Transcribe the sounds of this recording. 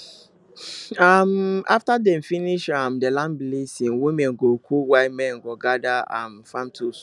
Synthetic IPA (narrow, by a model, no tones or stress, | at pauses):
ama̰ftadɛ̃mfiniʃamdɛlãnblesĩŋwĩmɛ̃nɡokʰuwaɪmɛ̃nɡɔɡadaa̰mfãmtʰus